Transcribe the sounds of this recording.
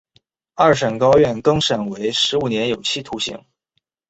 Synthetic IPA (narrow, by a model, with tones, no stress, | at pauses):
ɐ˥˩ʂə˨˩nkɑ˥ʊɥɛ˥˩nkɤ˥ŋʂə˨˩nwe˧˥ɪʂɻ̩˧˥u˨˩njɛ˧˥njo˨˩ʊt͡ɕʰi˥˩t̪ʰu˧˥ɕḭ˧˥ŋ